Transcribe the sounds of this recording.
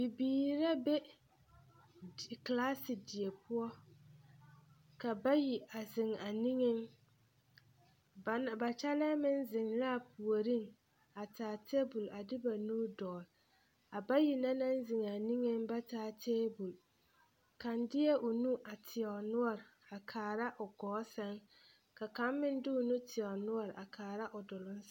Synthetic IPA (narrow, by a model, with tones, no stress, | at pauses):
bɪ˨biː˨ɾa˦be˦˨ | klaː˦sɪ˨dɪ˨e˨pʊ˦ɔ˦ | ka˨ba˦ji˨a˨zɪ˨ŋa˨ni˦ŋɪ˦ŋ | ba˨na˨ba˨t͡ʃa˦la˦mɪ˦nzɪ˨ŋla˦˨pu˨o˨ɾi˦˨ŋ | a˨taː˨tʰe˦bʊ˨la˨dɪ˦ba˨nuː˦dɔː˨l | a˨ba˦ji˨na˦na˦n˦zɪ˨ŋa˨ni˦ŋe˦ŋba˦taː˦tʰeː˦bu˨l | ka˨ndɪ˦ɛ˦ʔʊ˨nu˦ʔa˨tʰɪ˨ɔ˨nʊ˦ɔ˦˨ɾɪ˨ | a˨kʰaː˨ɾa˦ʔʊ˨ɡɔː˨˦sɛ˦ŋ | ka˨ka˦mːɪ˦n˦dɪ˦ʊ˨nu˦tʰɪ˨ɔ˨nʊ˦ɔ˦˨ɾɪ˨a˨kʰaː˨ɾa˦ʔʊ˨dʊ˨lʊ˦n˦